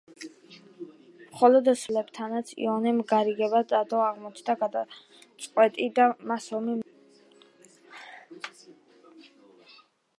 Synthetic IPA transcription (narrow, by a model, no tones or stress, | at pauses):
mχɔlɔd̪svlɛbt̪ʰanat̪sʰḭɔnɛmɡaɾiɡɛbad̪ʼad̪ʼɔaʁmɔt͡ʃʰd̪aɡad̪a | t̪sʼqʼwɛt̪ʼid̪amasɔmi